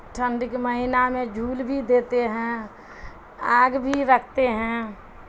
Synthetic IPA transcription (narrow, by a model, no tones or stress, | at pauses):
ʈʰə̃ɳɖkeməɦɪnamẽd͡ʒʱuːlbʱid̪eːt̪eɦɛ̃ | aːɡbʱiɾəkʰt̪eɦɛ̃